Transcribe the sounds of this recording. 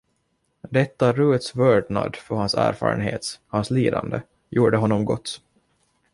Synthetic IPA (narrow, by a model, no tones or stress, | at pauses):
d̪ɛt̪ːaɾʉːət̪svœːɖɳa̰d̪fœɾhansæ̰ːɾfɑ̰ːɾənɦḛːt̪hansliːd̪and̪ə | juːɖəɦɔnːɔmɡɔt̪ː